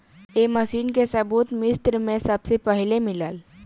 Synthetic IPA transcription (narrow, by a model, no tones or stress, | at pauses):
eːməsiːnkesəbuːt̪mɪst̪ɾmẽsəbsepəɦlemɪlaːl